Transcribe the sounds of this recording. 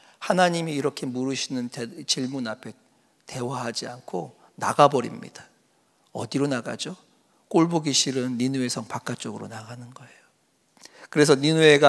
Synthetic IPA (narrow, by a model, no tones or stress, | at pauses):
hanaɲimiːɾʌkʰe̞muɾɯɕʰinɯntet͡ɕiɭmunapʰe̞ | te̞waɦad͡ʑiankʰo | na̰ɡabʌɾḭmɲḭd̥a | ʌ̰diɾonaɡa̰d͡ʑo | k͈oɭboɡiɕʰiɾɯnːinue̞sʰʌŋpak͈̚at͡ɕ͈oɡɯɾo̰naɡanɯnɡʌe̞jo | kɯɾe̞s̬ʰʌninue̞ɡa